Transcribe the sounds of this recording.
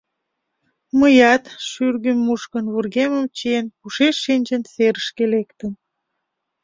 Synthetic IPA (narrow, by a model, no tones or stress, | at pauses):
məjɑt̪ʃyrɣymːuʃkənβurɣeməmt͡ɕienpuʃeʃːinʲd͡ʑənseɾəʃkelekt̪ən